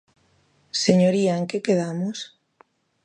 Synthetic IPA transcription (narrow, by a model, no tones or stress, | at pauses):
seɲoɾiaeŋkekeðamʊs